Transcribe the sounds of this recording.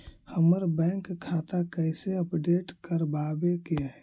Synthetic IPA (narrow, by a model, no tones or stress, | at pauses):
həməɾbɛ̃ːŋkkʰːaːt̪akəɪseəpɖeːʈkəɾbaːbekeaɛ